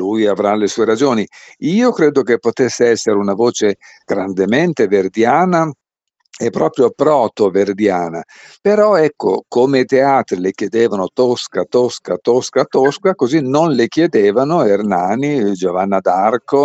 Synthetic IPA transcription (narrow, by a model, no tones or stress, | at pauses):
lujavɾalesuːeɾad͡ʒoːniiːokɾeːd̪okepːot̪esːeɛsːeɾeunavoːt͡ʃe | ɡ̥ɾand̪ement̪everd̪jaːna | epːɾɔːpɾjopɾɔːt̪overd̪jaːna̰ | peɾɔɛkːo̰komeit̪eaːt̪ɾilekjed̪eːvanot̪oskat̪oskat̪oskat̪oskakozinonlek̟jed̪eːvanoernaːnid͡ʒovanːad̪arko